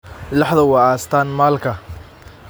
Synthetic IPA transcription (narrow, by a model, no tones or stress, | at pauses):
lɑħðɐwɑaːst̪ʰaːnmaːlkʰɐ